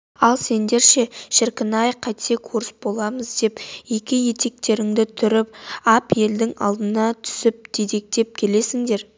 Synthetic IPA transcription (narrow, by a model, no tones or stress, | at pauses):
ɑlˠse̞nd̪e̞ɾʃe̞ʃɪɾkʲɪnɑjqʰɑjt̪se̞kʰuɾɪsbo̞lˠɑməzd̪e̞pjekʲɪje̞t̪e̞k̚t̪e̞ɾɪŋd̪ɪt̪ʰʏɾɪpɑpje̞ld̪ɪŋɑ̰lˠd̪ənɑt̪ʰʏ̥sɪp̚d̪̥ed̪ek̚d̪̥e̞p̚kʲʰe̞le̞sɪŋd̪e̞ɾ